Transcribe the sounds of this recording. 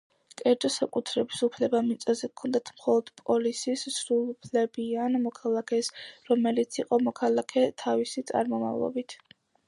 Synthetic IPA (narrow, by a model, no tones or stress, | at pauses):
kʼɛɾd͡ʒɔsakʼut̪ʰɾɛbisupʰlɛbamit̪sʼazɛkʰɔnd̪at̪ʰmχɔlˠɔd̪̥pʼɔlisissɾulˠupʰlɛbianmɔkʰalˠakʰɛsɾɔmɛlit̪sʰiqʼɔmɔkʰalˠakʰɛt̪ʰavisit̪sʼa̰ɾmɔma̰vlˠɔ̰bit̪ʰ